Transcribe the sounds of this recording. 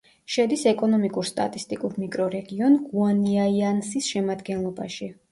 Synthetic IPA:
ʃɛd̪isɛkʼɔnɔmikʼuɾst̪ʼa̰t̪ʼist̪ʼikʼuɾmikʼɾɔɾɛɡiɔnɡuaniaiansisʃɛmad̪ɡɛnlˠɔbaʃi

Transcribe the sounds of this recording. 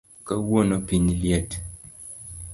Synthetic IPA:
kawonɔpiɲljɛt

